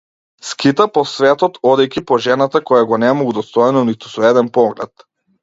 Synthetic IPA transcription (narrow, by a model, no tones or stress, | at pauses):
skit̪apɔsvɛt̪ɔt̪ɔd̪ɛjcʲipɔʒɛnat̪akɔjaɡɔnɛmɔɡud̪ɔst̪ɔɛnɔnit̪u̥sɔɛd̪ɛnpɔɡlɛ̰t̪